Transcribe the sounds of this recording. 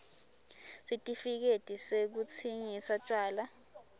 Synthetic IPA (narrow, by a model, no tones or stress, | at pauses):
sitʼifik̬etʼisek̬ut͡sʰiŋisat͡ʃʼwaːla